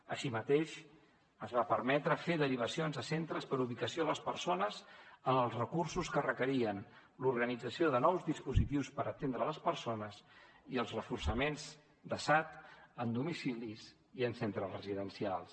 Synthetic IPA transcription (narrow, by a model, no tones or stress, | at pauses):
əʃimət̪eʃ | əzβapəɾmɛt̪ɾəfeðəɾiβ̞əsionzðəsent̪ɾəspəɾuβ̞ikəsioləspəɾsonəzənəlˠzrəkursuskərəkəɾiən | luɾɣənid͡zəsioðənɔwzðispuzit̪iwspəɾət̪end̪ɾələspəɾsonəz | iəlˠzrəfursəmenz | d̪əsat̪ənd̪umisiliz | iənsent̪ɾəzrəziðənsialˠs